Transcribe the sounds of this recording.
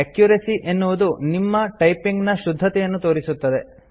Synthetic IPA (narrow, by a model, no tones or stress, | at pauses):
ekjuɾesiʔenːuʋud̪unimːɐʈɐjpiŋɡnɐʃud̪ʱːɐt̪ɛjɐnːut̪o̞ːɾisut̪ːɐd̪e̞